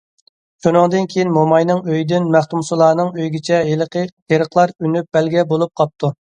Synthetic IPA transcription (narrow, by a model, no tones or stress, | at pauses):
ʃunɨŋd̪ɨnkʲʰejinmomɑjnɨŋøjd̪ɪnmæχt̪umsɨlˠɑːnɨŋøjɡʲit͡ʃʰɛelq | eɾəqʰlˠɑɾynyp̚b̥ɛlɡʲɛbolˠup̚qʰɑp̚t̪ʰu